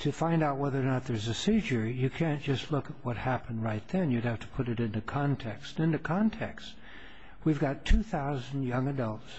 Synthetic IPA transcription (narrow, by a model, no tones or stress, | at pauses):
tʰɨfãɪ̃ndaʊt̚wɛðə˞nət̪̚ðə˞zɨsiʒə˞jɨkʰæ̃nd̥ʒ̥ʌstˡlʊkət̚wʌt̚hæpn̩ɹaɪt̪̚ðɨ̃njɨd̚hæftʰə̥pʰʊɾɨɾɪ̃ntʉkʰɑ̃ntʰɛkstn̩ɪ̃ntʉkʰɑ̃ntʰɛkst | wivɡɑtʰʉθaʊzn̩jʌ̃ŋɨdʌlˠts